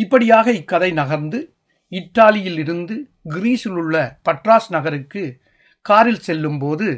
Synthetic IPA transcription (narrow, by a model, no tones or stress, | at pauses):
ɪpːɐɽɪjaːɣɐɪkːɐðɐɪnɐɣɐɾnd̪ɯ | ɪʈːaːlɪjɪlɪɾɯnd̪ɯ | ɡɪɾiːsɪlɯɭːɐpɐʈraːsnɐɣɐɾɯkːɯ | kaːɾɪlsɛlːɯmpoːðɯ